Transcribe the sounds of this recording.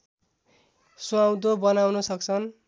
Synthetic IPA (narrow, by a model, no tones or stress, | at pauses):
suawd̪obʌnawnʌsʌk̚t͡sʰʌn